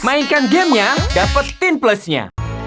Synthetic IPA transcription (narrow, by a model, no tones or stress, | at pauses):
mainkanɡɛmɲadapət̪ːɪnpləsɲa̰